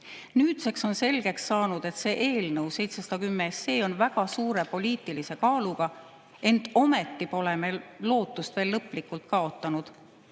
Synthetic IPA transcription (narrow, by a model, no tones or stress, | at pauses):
nyːt̪se̞kso̞nse̞lɡ̥e̞ksːɑːnud̪̥e̞t̪se̞ːʔe̞ːlnɤwse̞jt̪se̞sɑd̪ɑkymːeeseːo̞nvæɡ̥ɑsuːɾe̞po̞lʲiːt̪ːˑilise̞kɑːluɡ̥ɑ | e̞nd̪̥o̞met̪ːipo̞leme̞lo̞ːt̪ːˑust̪veːlːɤpːˑlikːult̪kɑo̞t̪ˑːɑnud̪̥